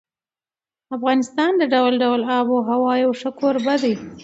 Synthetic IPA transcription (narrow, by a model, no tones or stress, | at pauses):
afɣɑnɪst̪ɑnd̪əɖawlɖawlɑboɦawɑjawʂəkʰoɾbad̪aj